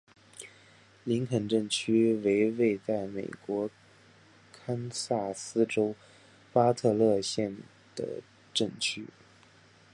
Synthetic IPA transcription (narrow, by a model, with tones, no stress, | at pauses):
li˧˥ŋkʰə˨˩nʈ͡ʂɤ˥˩ŋt͡ɕʰy˥we˧˥ɪwe˥˧ɪt͡sa˥˩ɪme˨˩ɪkwɔ˧˥ | kʰa˥nsa˥˩sɹ̩˥ʈ͡ʂo˥ʊ | pa˥t̪ʰɤ˥˧lɤ˥˧ɕjɛ˥˩n | d̪̥ə̰˩ | ʈ͡ʂɤ˥˩ŋt͡ɕʰy˥